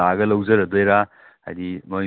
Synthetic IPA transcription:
aɡɐlɐwzɐɾɐd̪ojɾa | ha̰jd̪imoj

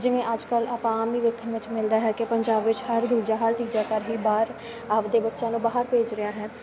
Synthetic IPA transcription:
d͡ʒɪʋẽʔəd͡ʒkələpãaːmiːʋəkʰəʋɪt͡ʃmɪld̪aːɦɛkepəɲd͡ʒaːbʋɪt͡ʃhəɾd̪uːɾd͡ʒaːɦəɾt̪iːd͡ʒakəɾɦiːbaːɾ | əʋd̪eːbətːʃãːlũbaːɦəɾpeːd͡ʒɾɪjaːɦɛː

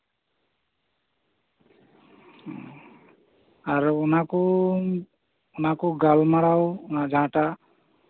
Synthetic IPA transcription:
aɹunakɔ | unakɔɡalmaɽawnad͡ʒʱãʈa

